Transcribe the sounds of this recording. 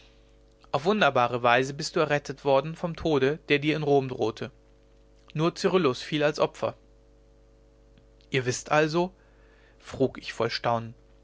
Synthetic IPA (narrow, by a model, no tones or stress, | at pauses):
ʔaʊfv̥ʊndɐbaːʁəvaɪzəbɪstd̥uːɛɐʁɛtʰətv̥ɔɐdn̩fɔmtʰoːɾəd̥eːɐdiːɐɪnʁoːmdʁoːtʰə | nuːɐt͡syʁʊlʊsfiːlalsʔɔpfɐ̰ | ʔiːɐvɪstʔalzo | fʁ̥uːkɪçfɔlʃtaʊnən